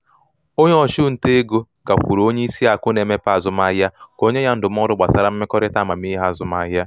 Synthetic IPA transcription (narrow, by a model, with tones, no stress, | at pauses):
o˦ɲe˦ɔ˨ʃu˦n̩˨te˦e˦ɡo˦ | ɡa˨kʷu˨ɾo˦ɲe˦i˦si˦a˨kʊ˦ne˨me˦pa˦˨zʊ˨ma˦ɦja˦ko˦ɲe˦ja˦n̩˦dʊ˨m̩˦ɔ˦ɾʊ˦ɡ͡ba˨sa˦ɾa˦m̩˦mɪ˦kɔ˦ɾɪ˦ta˦˨ma˨m˦i˦ɦa˦˨zʊ˨ma˦ɦja˦